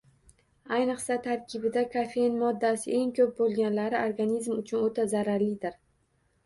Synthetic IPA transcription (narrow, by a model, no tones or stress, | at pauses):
ajnɨqsat̪ʰaɾkʲʰɪbɪd̪akʰafenmɒd̪ːasɪʔeŋkʰɵp̚bolˠɡʲanlaɾɪʔoɾɡanizmʊt͡ʃʰʊnot̪ʰazaɾaɾlɪd̪ɪɾ